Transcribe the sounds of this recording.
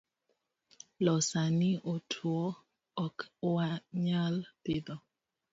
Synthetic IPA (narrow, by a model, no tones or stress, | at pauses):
lɔsaniʔotʰwɔ | ɔkwaɲaltɪd̪ɔ